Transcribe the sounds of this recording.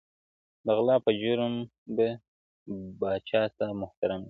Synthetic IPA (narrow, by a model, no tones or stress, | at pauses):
d̪əɣlɑːpəd͡ʒuɾm | be | bɑːt͡ʃɑːt̪amʊht̪aɾam